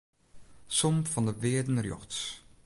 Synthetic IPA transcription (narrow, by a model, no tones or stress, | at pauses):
sɔmfɑndəʋɪədən̩rjɔ̰xts